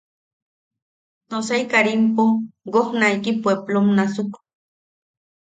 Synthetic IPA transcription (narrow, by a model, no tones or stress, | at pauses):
nosaikaɾimpoɡohnaikipweplomnasuk